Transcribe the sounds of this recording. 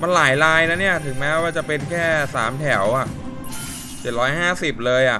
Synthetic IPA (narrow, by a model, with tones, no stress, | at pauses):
ma˧nlaː˩˦jlaː˧jna˦˥ni˥˩ɐt̪ʰɯ˨˩˦ŋmɛː˦˥waː˥˩t͡ɕa˨˩pe˧nkʰɛː˥˩sa̰ː˩˦mt̪ʰɛ˩˦wʔa˨˩ʔ | t͡ɕe˨˩t̪̚ɾɔː˦˥jɦaː˥˩si˨˩p̚lɤː˧jʔa˨˩